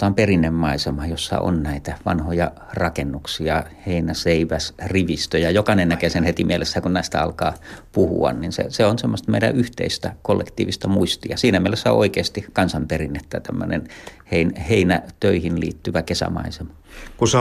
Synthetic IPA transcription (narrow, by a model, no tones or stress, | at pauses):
t̪ɑːmperinːemːɑisemɑjosːɑ̰ʔo̰nnæit̪æʋɑ̰nhojɑ | rɑkenːuksiɑheinæseiʋæsriʋist̪øjɑjokɑnennækesenhet̪imielesːækunnæist̪æɑ̰lkɑːpuhṵɑ̰nninsḛseonsemːost̪meiɾæ̰ʔyht̪ḛist̪ækolːḛkt̪ḭːʋist̪ɑmuist̪iɑsiːnæmielesːæo̰ʔo̰ikeːst̪ikɑnsɑmperinːet̪ːæt̪æmːø̰nḛnheinheinæt̪øihinlḭːt̪ːyʋækesæ̰mɑ̰isemɑ̥ | kuse